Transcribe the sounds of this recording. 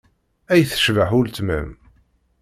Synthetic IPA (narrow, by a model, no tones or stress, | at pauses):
æjθə̥ʃvəħʊlt̪mə̰m